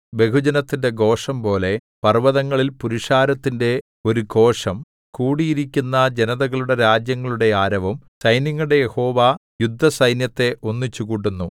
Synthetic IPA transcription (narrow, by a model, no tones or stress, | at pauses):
be̞kud͡ʑɐnɐt̪ːinde̞ɡo̞ːʂɐmpo̞ːle̞ | pɐrʋɐðɐŋːɐɭilpuɾiʂaːɾɐt̪ːinde̞ | o̞ɾuko̞ːʂɐm | kuːɽijiɾikʲːunːɐd͡ʑe̞nɐðɐɣɐɭuɽe̞ɾaːd͡ʑjɐŋːɐɭuɽe̞aːɾɐʋumsɐjnɐŋːɐɭuɽe̞je̞ho̞ːʋajud̪ʱːɐsɐjnjɐt̪ːe̞ʔo̞nːit͡ɕːukuːʈːunːu